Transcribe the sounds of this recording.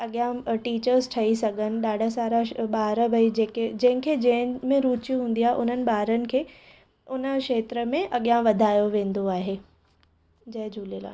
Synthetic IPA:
ɐɠijãʈiːt͡ɕəɾzʈʰɐisɐɡʱənɪ̆ɗaːɖʱasaːɾaɓaːɾəbʱɐid͡ʑeːked͡ʑɐ̃ɦɪ̃kʰeːd͡ʑɐ̃ɦɪ̃mẽɾuːt͡ɕjuɦũːn̆d̪ijaːɦeʔʊn̤ənɪ̆ɓaːɾənɪ̆kʰeː | ʊnə̆kʃeːt̪ɾəmẽʔɐɠjãʋɐd̪ʱaːjoʋẽːn̆d̪oaːɦeː | d͡ʑɐ̃ɦɪ̃d͡ʑʱuːlela̰ː

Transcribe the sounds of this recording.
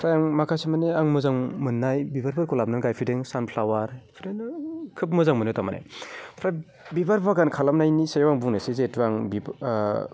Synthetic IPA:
pʰɾajaŋmakʰasimaneaŋmɯzaŋmɯnːajbibaɾbɯɾkulap̚nanɡajpʰideŋsanpʰlawaɾpʰidekʰɯp̬̚mɯzaŋmɯnɯtamana̰jpʰɾaj | bibaɾbaɡankʰalamnajnisajawaŋbuŋnɯsizetuaŋbi

